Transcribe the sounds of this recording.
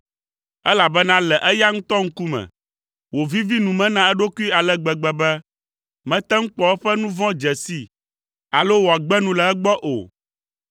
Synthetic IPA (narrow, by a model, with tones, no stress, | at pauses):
ɛ˦la˨bɛ˦nã˦lɛ˨ʔɛ˦ja˦ŋũ˦t̪ɔ˦ŋ̩˦ku˦mɛ̰̃˨ | wo˨vi˦vi˦nũ˨mɛ̃˦nã˦ɛ˦ɖo˦ku˦i˦a˨lɛ˦ɡ͡bɛ˨ɡ͡bɛ˨bɛ˦ | mɛ̃˨t̪ɛ˦ŋ̩˦k͡pɔ˦ɛ˦ɸɛ˦nũ˦vɔ̃˦d͡ʒɛ˨si˦ | a˨lo˦wo˨a˨ɡ͡bɛ˦nũ˦lɛ˨ɛ˦ɡ͡bɔ˦ʔo̰˨